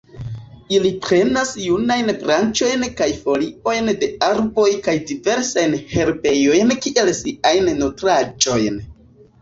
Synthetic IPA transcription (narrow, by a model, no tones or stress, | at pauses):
ilipɾe̞nasjunajnbɾant͡ʃo̞jnkajfo̞lio̞jnde̞aɾbo̞jkajdive̞ɾsajnhe̞ɾbe̞jo̞jnkiʔe̞lsiʔajnːotɾad͡ʒo̞jn